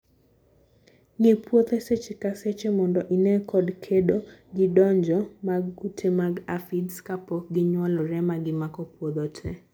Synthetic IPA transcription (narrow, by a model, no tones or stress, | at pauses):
ŋipwot̪eset͡ʃekaset͡ʃemɔndɔʔinɛkɔdkʰedoɡɪdɔɲd͡ʒɔmaɡːutʰemaɡafidskapɔɡɪɲwɔlɔɾɛmaɡɪmakɔpwod̪otʰɛ